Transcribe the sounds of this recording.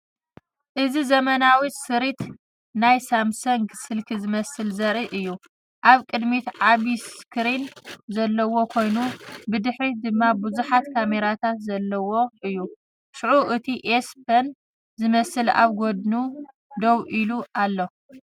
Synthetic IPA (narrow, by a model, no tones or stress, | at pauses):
ʔɨzizɐmɐnawisɨɾit̪ | najsamsɐŋɡsɨlkʰizɨmɐsɨlzɐɾiʔɨjːu | ʔaβkʼɨd̪mit̪ʕaβiskʰɨɾinzɐlːɐwo̞kʰo̞jnubɨd̪ɨħɾid̪ɨmːabɨzuħat̪kʰame̞ɾat̪ʰat̪zɐlːɐwo̞ʔɨjːu | ʃʕuʔɨt̪ʰiʔespʰɐn | zɨmɐsɨla̰βɡod̪nu | d̪owʔiluʔalːo